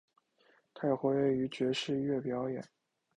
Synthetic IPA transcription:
t̪ʰa˥˩ɪ˩xwɛ˧˥ɥɛ˥˩y˧˥t͡ɕɥɛ˧˥ʂɻ̩˥˧ɥɛ˥˩pjɑ˧˥ʊjɛ̰˨˩˦n

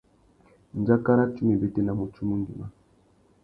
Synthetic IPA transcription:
n˨d͡ʒa˦ka˦ɾa˦t͡ʃu˦me˨bɛ˨te˦na˨mu˨t͡ʃu˦mu˦ndi˨ma˦

